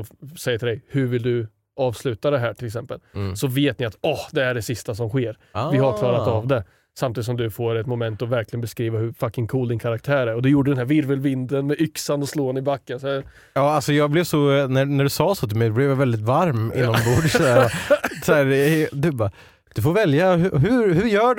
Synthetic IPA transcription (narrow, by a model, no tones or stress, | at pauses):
ɔsɛjːəʈʰɪlɛjhɵɾvɪld̪ɵ | ɑːvslʉ̟ːt̪ad̪ɛɦæːʈʰɪlɛks̬ɛmpəlsɔveːt̪nɪat̪ɔhd̪ɛæɖɛsɪst̪asɔmɧeːɾ | vɪhaɾkʰlɑːɾat̪avd̪ɛ | samt̪iːd̪ɪsɔmd̪ɵfoːɾɛt̪mʊmɛnt̪ɔvæɾklɪɡənbɛskɾiːvahɵfakːɪŋkʰuːld̪ɪnkʰaɾak̚t̪ʰæːɾæɾɔd̪ɛjuːɖəd̪ɛnhæːɾvɪɾvəlvɪnd̪ənmɛʔʏksanɔsloːnɪbakːəns | jɑːalsɔjɑːɡ̚blɪvsɔnænæɖɵsɑːsoːt̪ʰɪlmɛɪjd̪ɛblɛvjavɛld̪ɪt̪vaɾmɪ̰nːɔmbuːɖsæɾasæːɾd̪ʉbɑ | d̪̥ɵfoɾvɛljaɦɦɵhɵjœːɖ